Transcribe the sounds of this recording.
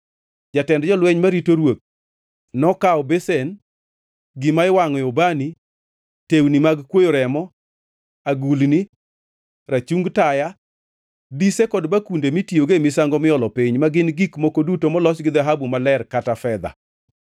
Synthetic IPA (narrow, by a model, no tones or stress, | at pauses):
d͡ʒatɛndd͡ʒɔlwɛɲmaɾitoɾwok̚ | nɔkaɔbesen | ɡɪmaɪwaŋɔjɔbani | tewnimaɡkwojoɾɛmɔ | aɡulni | ɾat͡ʃuŋɡtaja | disekɔdbakundemitjoɡemisaŋɡɔmɪɔlɔpiɲmaɡɪnɡikmokodutomɔlɔsɡɪd̪aɦabumalɛrkatafɛd̪a̰